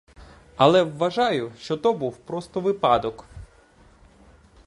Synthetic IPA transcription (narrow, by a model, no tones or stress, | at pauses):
ɐlˠɛʋːɐʒɑjʊʃt͡ʃɔt̪ɔbuwpɾɔst̪ɔʋɪpɑd̪ɔk